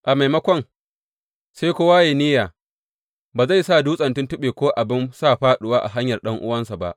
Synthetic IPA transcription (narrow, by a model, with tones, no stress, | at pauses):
ʔa˨ma˨jmɐ˦kʷɔ˦ŋ | seː˦kʷʊ˦waː˦jeː˨nɪ˦jaː˨ | baː˨za˦˨jsaː˦˨duː˦sʼɐ˨ntʊ˦ntʊ˦ɓeː˨kʷoː˦ʔa˨bɪ˦nsaː˦˨ɸaː˦ɗʊ˦waː˦ʔa̰˨ɦa˦ɲjɐ˨rɗɐ˦ŋʔʊ̰˦wɐ˦nsa˨ba̰˦˨ʔ